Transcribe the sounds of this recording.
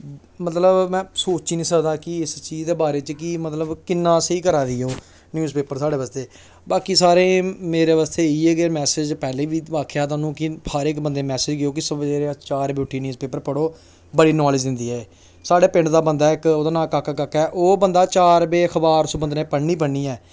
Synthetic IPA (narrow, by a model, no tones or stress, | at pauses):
mət̪ləbmɛ̃ːsoːt͡ʃiːnĩːsəkd̪aːkɪɪst͡ʃiːzd̪eːbaːɾeːt͡ʃkɪmət̪ləbkɪnːãːsiːkəɾaːdiːoː | njuːzpeːpəɾsaːɽeːʋaːst̪eː | baːkiːsaːɾẽːmeːɾeːʋaːst̪eːiːɛːɡeːmɛːsed͡ʒpɛːleːʋiːaːkʰjaːt̪̬aːnũːkɪəɾɪkbənd̪eːmɛːsɪd͡ʒɡɪjoːk̬ɪsbəd͡ʒeːɾeat͡ʃaːɾbeʊʈʰːiːnjiuːspeːpəɾpəɽoː | bəɽiːnɔːlɪd͡ʒd̪ɪnd̪iːɛː | saːɽeːpɪ̃ɳɖd̪aːbənd̪aːɪkoːd̪aːnãːkakːakakːɛːʔoːbənd̪aːt͡ʃaːɾbeːxʰəbaːɾsʊbənd̪nẽːpəɽniːpəɳːiːɛː